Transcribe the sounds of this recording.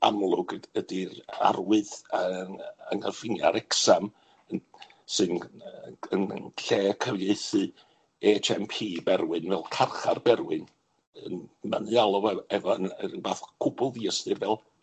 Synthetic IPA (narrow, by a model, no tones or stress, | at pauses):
a̰mlˠʊɡədia̰rwɨðəəŋərfɪnja̰ɾɛksam | ən | sɨn | ənnɬeːkʰəvjeɨθɨ | etʰɛmpʰiːbɛrwɨnvɛlˠkʰarχarbɛɾwɨn | ənma̰nɨalˠɔvɛɛvɔənəənbaːθkʰʊbʊlˠðiəstɨvɛlˠ